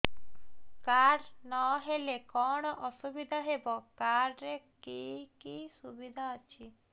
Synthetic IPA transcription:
kaɾnɔɦelekɔɽ̃ɔʔɔsubid̪ʱaɦebɔkaɾɾekikisubid̪ʱaɔt͡ʃʰi

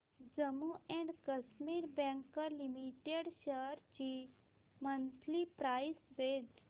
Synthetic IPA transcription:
d͡ʒəmuɛ̃ɳɖkəsmiɾbɛ̃ŋkəɾlimiʈeɽʃəɾt͡ɕi | mənt̪ʰlipɾajsʋed͡ʒ

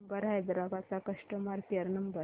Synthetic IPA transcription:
mbəɾɦajd̪ɾaɡat͡sakəʂʈəmaɾkiəɾnəmbə

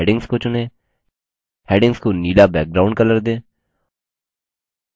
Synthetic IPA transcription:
ɖɪ̃ŋɡskot͡ʃʊnẽː | hɛːɖɪ̃ŋɡskoniːlabɛːk̚ɡɾaːʊ̃ɳɖkələɾd̪ẽː

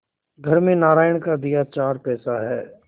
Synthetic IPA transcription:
ɡʱɐɾmẽnaːɾaːjəɽ̃kad̪ijat͡ʃaːɾpɛːsaɦɛː

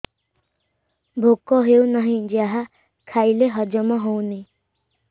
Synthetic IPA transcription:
bʱokɔɦewnʌɦĩd͡ʒeaɦa | kʰajleɦʌd͡ʒɔmɔɦowni

